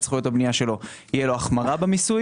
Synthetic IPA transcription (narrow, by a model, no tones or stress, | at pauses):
t͡sχujo̞t̪habnijaʃe̞lo̞ijeloaχmaʁabemisu